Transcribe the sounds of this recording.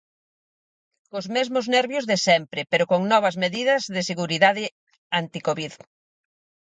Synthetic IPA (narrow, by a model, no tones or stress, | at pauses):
kozmezmʊznɛɾβjozðesɛmpɾɪpeɾʊkoŋnɔβɐzmeðiðɐzðɪseɣuɾiðaðɪ | ant̪ikoβið